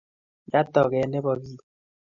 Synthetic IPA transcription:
d͡ʒa˦tɔ˨ɣɛ˨˦nɛ˦bɔ˨bi˦

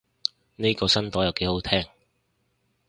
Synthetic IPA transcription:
ne˥kɔː˧sɐ˥nt̪ɔː˨˥jɐ˨wke˨˥jho˨˥wt̪ʰɛː˥ŋ

